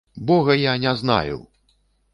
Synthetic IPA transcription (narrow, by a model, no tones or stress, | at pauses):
bɔɣɐjanʲɛzna̰jṵw